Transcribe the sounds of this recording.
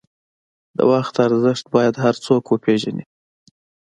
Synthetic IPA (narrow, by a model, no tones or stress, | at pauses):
d̪ə̰waxt̪aɾzəʃt̪̚bɑjad̪ɦaɾt͡sokwəpʰeʒanḭ